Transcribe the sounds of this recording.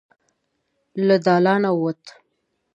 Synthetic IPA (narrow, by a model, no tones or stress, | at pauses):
lad̪ɑlɑnawot̪